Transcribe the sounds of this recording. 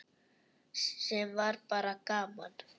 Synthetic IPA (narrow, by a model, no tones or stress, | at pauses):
sɛmvaɾpaɾakaːman